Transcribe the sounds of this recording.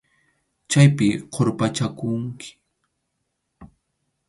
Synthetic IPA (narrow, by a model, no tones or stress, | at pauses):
t͡ʃajpɪqʰoɾpat͡ʃakʊŋkʰɪ̥